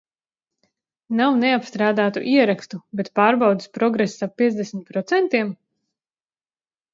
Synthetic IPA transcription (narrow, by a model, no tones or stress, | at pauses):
nawneapst̪ɾaːd̪aːt̪ṵʔiɛɾakst̪ubet̪paːɾbawd̪ispɾɔɡɾesːapːiɛzd̪ʲesmʲit̪̚pɾɔt̪sɛnt̪iɛm